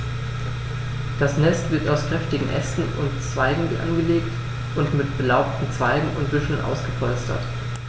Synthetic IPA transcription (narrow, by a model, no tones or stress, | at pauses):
d̥asnɛstv̥ɪɐtaʊskʁ̥ɛftɪɡŋ̩ʔɛstn̩ʊntt͡sv̥aɪɡŋ̩viʔa̰nɡəleːkt | ʔʊntmɪtb̥əlaʊp̚tn̩t͡sv̥aɪɡŋ̩ʊntb̥ɪʃl̩nʔa̰ʊsɡ̥əpʰɔlstʰɐ̰t